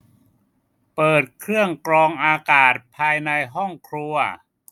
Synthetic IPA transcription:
pɤː˨˩t̪̚kʰɾɯ˥˩əŋkɾɔː˧ŋʔaː˧kaː˨˩t̪̚pʰaː˧jna˧jɦɔ˥˩ŋkʰɾu˧ɐ

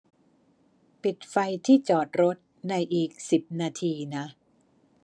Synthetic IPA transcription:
pi˨˩t̪̚fa˧jt̪ʰiː˥˩t͡ɕɔː˨˩t̪̚ɾo˦˥t̪̚ | na˧jʔiː˨˩k̚si˨˩p̚naː˧t̪ʰiː˧na˦˥ʔ

